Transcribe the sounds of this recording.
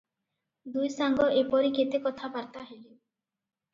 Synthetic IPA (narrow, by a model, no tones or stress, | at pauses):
d̪ujsaŋɡɔʔepɔɾiket̪ekɔt̪ʰabaɾt̪aɦeli